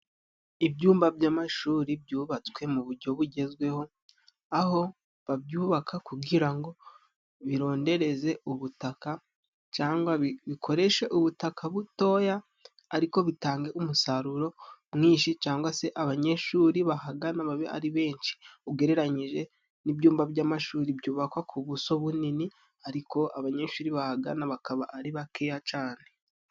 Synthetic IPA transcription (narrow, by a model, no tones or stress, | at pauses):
ibɟuːmbabɟaːmaʃuːɾib̚juːβat͡swe̞muβuɾɟo̞βuɟe̞zɡwe̞ho̞ | aɦo̞ | βabjuːβakʰakuɡiɾaŋɡo̞ | βiɾo̞ːnde̞ɾe̞ze̞uβutaka | t͡ʃaːŋɡwaβikʰo̞ɾe̞ʃe̞ʔuβutakʰaβuto̞jaː | ɾiko̞βitaːŋɡe̞umusaɾuɾo̞mŋiːʃit͡ʃaːŋɡwase̞ʔaβaɲe̞ʃuːɾiβahaɡanaβaβea̰ɾiβe̞ːɲʃi̥uɡe̞ɾe̞ɾaɲiʒe̞ | nibjuːmbaβjaːmaʃuːɾibjuːβakwakʰuβuso̞βunini | aɾiko̞ʔaβaɲe̞ʃuːɾiβahaɡa̰naβakaβaːɾiβakejat͡ʃaːne̞